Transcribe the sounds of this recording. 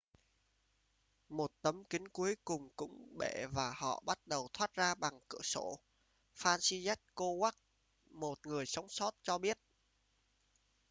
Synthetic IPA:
mo˨˩t̚t̪ə˨˦mkï˨˦ŋku˨˦əjkʊ˨˩ŋ͡mkʊ̰˧˥ŋ͡mɓe˧˩˨vaː˨˩hɔ̰˧˨ɓa˦˥t̚ɗə˨˩wt̪ʰwaː˦˥t̚zaː˧ɓa˨˩ŋkɨ̰˧˩əso̰˧˩ | faː˧nsi˧zɛ˦˥t̚ko˧wa˦˥k̚ | mo˨˩t̚ŋɨ˨˩əjsa˨˦wŋ͡msɔ˦˥t̚t͡ɕɔ˧ɓi˦˥ət̚

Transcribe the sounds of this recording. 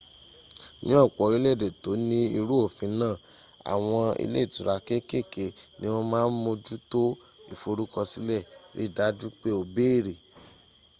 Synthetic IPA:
nĩ˦ɔ˦˨k͡pɔ˨ɾi˨˦le˦˨de˨to˨˦nĩ˦i˧ɾu˦o˦˨fĩ˧˦nãː˦˨ | a̰˨w̃ɔ̃˧ḭ˧le˦˨tu˨ɾa˨˧ke˦ke˦˨ke˨nĩ˦w̃ɔ̃˧mãː˦n̩˦mo˧d͡ʒu˦to˦ | ḭ˨fo˧ɾu˦kɔ˧si˦lɛ˦˨ɾḭ˨˦˨da˨˦d͡ʒu˦k͡pe˦o˧˨be˦i˦˨ɾe˨

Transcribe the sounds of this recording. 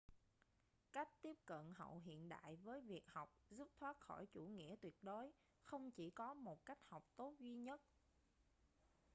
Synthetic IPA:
ka˦˥jk̟̚t̪i˦˥əp̚kə̰˧˨nɦə̰˧˨wɦḭ˧˨ənɗa̰ː˧˨jvəː˨˦jvi˨˩ək̚ha˨˩wk͡p̚zu˦˥p̚t̪ʰwaː˦˥t̚xɔ˧˩jt͡ɕu˧˩ŋḭ˧˥ət̪wi˨˩ət̚ɗo˨˦j | xə˧wŋ͡mt͡ɕi˧˩kɔ˨˦mo˨˩t̚ka˦˥jk̟̚ha˨˩wk͡p̚t̪o˦˥t̚zwi˧ɲə˦˥t̚

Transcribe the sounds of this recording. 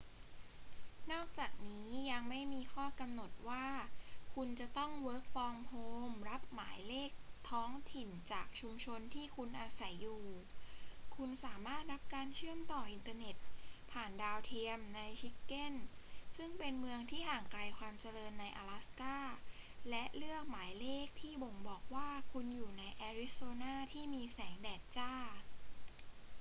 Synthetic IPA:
nɔː˥˩k̚t͡ɕaː˨˩k̚niː˦˥ja˧ŋma˥˩jmiː˧xʰɔː˥˩ka˧mno˨˩t̪̚waː˥˩kʰu˧nt͡ɕa˨˩t̪ɔ˥˩ŋwɤː˦˥k̚fɔː˧ŋhoː˧mɾa˦˥p̚maː˩˦jleː˥˩k̚t̪ʰɔː˦˥ŋt̪ʰi˨˩nt͡ɕaː˨˩k̚t͡ɕʰu˧mt͡ɕʰo˧nt̪ʰiː˥˩kʰu˧nʔaː˧sa˩˦jːuː˨˩ | kʰu˧nsaː˩˦maː˥˩t̪̚ɾa˦˥p̚kaː˧nt͡ɕʰɯ˥˩əmt̪ɔː˨˩ʔi˧nt̪aː˧ne˨˩t̪̚pʰaː˨˩ndaː˧wt̪ʰi˧əmna˧jt͡ɕʰi˦˥kːe˥˩nsɯ˥˩ŋpe˧nmɯ˧əŋt̪ʰiː˥˩haː˨˩ŋkla˧jkʰwaː˧mt͡ɕa˧lɤː˧nːa˧jʔa̰ː˧la˦˥skaː˥˩lɛ˦˥ʔlɯ˥˩ək̚maː˩˦jleː˥˩k̚t̪ʰiː˥˩bo˨˩ŋbɔː˨˩k̚waː˥˩kʰu˧njuː˨˩na˧jʔɛː˧ɾi˦˥soː˧naː˥˩t̪ʰiː˥˩miː˧sɛː˩˦ŋdɛː˨˩t̪̚t͡ɕaː˥˩

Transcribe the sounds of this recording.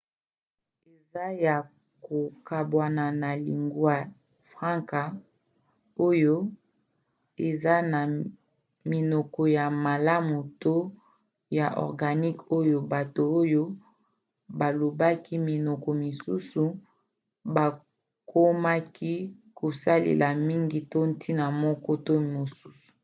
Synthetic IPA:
e˨za˦ja˨ | ko˨ka˨bwa˨na˨na˨lḭ˨ŋɡu˦a˦ | fʁã˦ŋka˨ | o˦jo˦ | e˨za˦na˨ | mi˨nɔ˨kɔ˨ja˨ma˨la˦mu˨to˦ | ja˨ʔɔ̰˨ʁɡa˨ni˦ko˦jo˦ba˨to˨o˦jo˦ | ba˨lo˨ba˦ki˦mi˨nɔ˨kɔ˨mi˨su˦su˨ | ba˨ | kʰo˦ma˦ki˦kʰo˨sa˦lḛ˨lʔa˨mi˦ŋɡi˨to˦n˦tʰi˦na˨mɔ˦kɔ˦to˦mo˨su˦su̥˨

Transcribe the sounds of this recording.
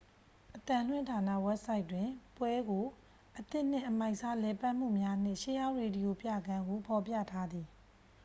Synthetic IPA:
ʔət̪ã˨l̥wɪ̃˦ntʰa˨na̰˦˨wɛ˦p̚sa˦ɪʔtːwɪ̃˨pwɛ˦ɡo˨ | ʔət̪ɪ˦ʔn̥ɪ̰̃˦˨ʔəma˦ɪʔsa˦lɛ˨pa˦ʔm̥ṵ˦˨mja˦n̥ɪ̰̃˦˨ʃe˦jã˦ʊʔɹe˨di˨jo˨pja̰˦˨ɡã˦ŋɡo˨pʰɔ˨pja̰˦˨tʰa˦d̪ði˨

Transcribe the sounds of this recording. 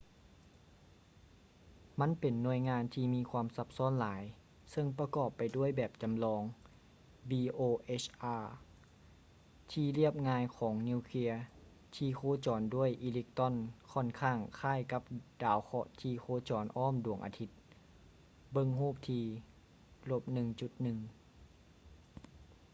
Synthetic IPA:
ma˧˥˨npe˨nːu˧əjŋaː˧˨nt̪ʰiː˧miː˧˥˨kʰwaː˧˥˨msa˧p̚sɔː˧˥˨nlaː˨˦j | sɤ˧ŋpa˧kɔː˨˩pːa˨jdu˥˩əjbɛː˨˩p̚t͡ɕa˨mlɔː˧ŋ | biː˧ʔoː˧ʔeː˦˧˥t͡ɕʔaː˧˩ | t̪ʰiː˧li˥˩əp̚ŋaː˧jkʰɔː˩˦ŋni˧˨wkʰli˧˥ɐə | t̪ʰiː˧kʰoː˧˥t͡ɕɔː˨˩ndu˥˩˨əjʔiː˧li˧k̚t̪ɔ˧˥˨nkʰɔ˧˥˨nkʰaː˧˩ŋkʰaː˧˥˨jka˧˦˥p̚d̥aː˨˦wkʰɔ˧t̪ʰiː˧˩kʰoː˧˥t͡ɕɔː˨˩nʔɔː˥˨mdu˨˩əŋʔa̰ː˨˧t̪ʰi˧˥t̪̚ | bɤ˧ŋɦuː˥˩p̚t̪ʰiː˧ | lo˧˥p̚nɯ˧ŋt͡ɕu˧˦t̪̚nɯ˨˧ŋ

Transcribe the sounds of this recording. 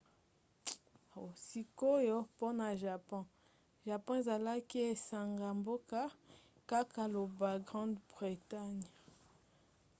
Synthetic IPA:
o˨si˦ko˦jo˦po˦na˨ʒa˨pɔ̃˦ | ʒa˨pɔ̃˦e˨za˨la˦ki˦e˨sa˨ŋɡa˨mbo˦ka˦ | ka˦ka˨lo˨ba˨ɡʁɑ̃˦ndbʁi˨ta˦ɲ˨

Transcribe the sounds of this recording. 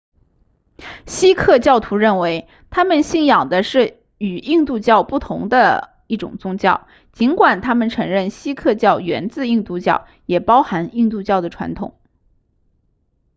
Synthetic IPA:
ɕi˥kʰɤ˥˧t͡ɕjɑ˥˩ʊt̪ʰu˧˥ɻə˥˩nwe˧˥ɪ | t̪ʰa˥mə˨nɕi˥˩ŋjɑ˨˩ŋd̪ə˦ʂɻ̩˥˩ | y˨˩i˥˧ŋt̪u˥˧t͡ɕjɑ˥˧ʊpu˥˩t̪ʰʊ̰˧˥ŋd̪ə˧ | i˥˩ʈ͡ʂʊ̰˨˩ŋt͡sʊ˥ŋt͡ɕjɑ˥˩ʊ | t͡ɕi˧˥nkwa˨˩nt̪ʰa˥mə˨nʈ͡ʂʰɤ˧˥ŋɻə˥˩nɕi˥kʰɤ˥˧t͡ɕjɑ˥˩ʊɥɛ̰˧˥nt͡sɹ̩˥˧i˥˧ŋt̪u˥˧t͡ɕjɑ̰˥˩ʊ | jɛ˨˩pɑ˥ʊxa˧˥ni˥˧ŋt̪u˥˧t͡ɕjɑ˥˩ʊd̪ə˩ʈ͡ʂʰwa̰˧˥nt̪ʰʊ̰˨˩˦ŋ

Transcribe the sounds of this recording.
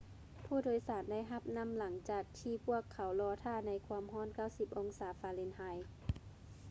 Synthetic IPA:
pʰuː˧˩˨doː˧˦jsaː˩˦nda˥˩jɦa˧p̚na˧˥˨mla˨˩˦ŋt͡ɕaː˨˩k̚t̪ʰiː˧pʰu˧˥˩əkʰːa˨˦wlɔː˧t̪ʰaː˧˩na˧˥jkʰwuː˧əmɦɔː˧˥˨nka˧˥˩wsi˧˩p̚ʔo˧ŋsaː˨˦faː˧˦le˧˥nhaː˧j

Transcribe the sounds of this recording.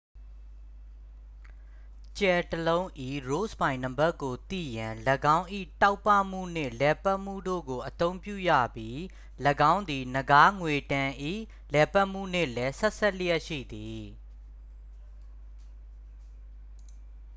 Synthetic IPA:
t͡ɕɛ˨təlõ˦ʊ̃ʔḭ˦˨ɹo˦˨spã˨ɪ̃nə˨mba˦˨kːo˨t̪ḭ˦˨jã˨lə˨ɡã˦ʊ̃ʔḭ˦˨ta˦ʊpːa˦˨m̥ṵ˦˨n̥ɪ̰̃˦˨lɛ˨pa˦ʔm̥ṵ˦˨do̰˦˨ɡo˨ʔət̪õ˦ʊ̃mpjṵ˦˨ja̰˦˨bji˦ | lə˨ɡã˦ʊ̃nd̪i˨nəɡa˦ŋwe˨tã˨ʔḭ˦˨ | lɛ˨pa˦ʔm̥ṵ˦˨n̥ɪ̰̃˦˨lɛ˦sɛ˦ʔsʰɛ˦˨ljɛ˦ʔʃḭ˦˨d̪i˨

